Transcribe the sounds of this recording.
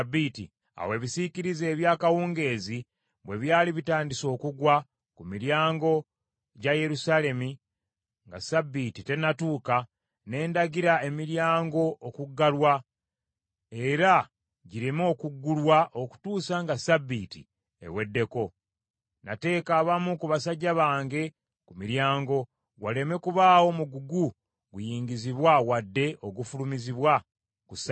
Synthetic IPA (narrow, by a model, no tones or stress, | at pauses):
bitḭ | a̰we̞βisiciɾize̞ːβjaːkawuːŋɡe̞ːzi | βwe̞βjaːliβitaːndiso̞ːkuɡwa | kumiɾjaːŋɡo̞ | ɟaje̞ɾusale̞mi | ŋɡasabːitite̞natuːka | ne̞ːndaɡiɾae̞miɾjaːŋɡo̞ʔːkuɡːalwa | e̞ɾa | ɟiɾimo̞ːkuɡːulwaʔo̞ku̥tuːsaŋɡasabitḭ | e̞̰we̞dːe̞ko̞ | nate̞ːkaːβamukuβasaɟːaβaːŋɡe̞ | kumiɾjaːŋɡo̞ | wale̞me̞kuβaːwo̞muɡuɡu | ɡujiːŋɡiziβwawadːe̞ʔo̞ɡufulumiziβwa | kusa